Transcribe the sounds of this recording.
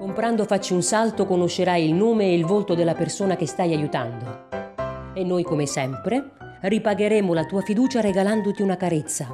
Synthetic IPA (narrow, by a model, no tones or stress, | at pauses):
kompɾand̪ofat͡ʃːiunsalt̪okonoʃːeɾajilnoːmeːilvolt̪od̪elːapersoːnak̟est̪ajajut̪and̪o | enːojkomesɛmpɾe | ripaɡeɾeːmolat̪uːafid̪uːt͡ʃaɾeɡaland̪ot̪iunakaɾet̪sːa